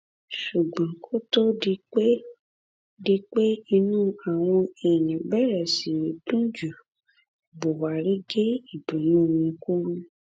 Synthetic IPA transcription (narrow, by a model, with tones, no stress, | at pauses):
ʃu˨ɡ͡bã˨˦kʰo˦to˦di˧k͡pe˦ | di˧k͡pe˦i˧nũː˦a˨w̃ɔ̃˧ɛ˨j̃ĩ˨bɛ˦˨ɾɛ˨si˨tũ˦d͡ʒu˨ | bo˨wa˨ɾi˦ɡe˦i˦˨bũ˨˦nũ˦˨wũ˧˦ku˦ɾũ˦